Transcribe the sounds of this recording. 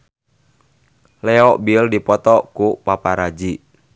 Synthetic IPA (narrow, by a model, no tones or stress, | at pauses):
lɛɔʔbildipɔt̪ɔkupapaɾad͡ʒi